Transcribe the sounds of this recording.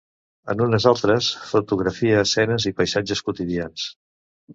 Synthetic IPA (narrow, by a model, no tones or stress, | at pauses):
ə̰nunəzalˠt̪ɾəsfut̪uɣɾəfiəːsɛnəzipəjsad͡ʒəskut̪iðians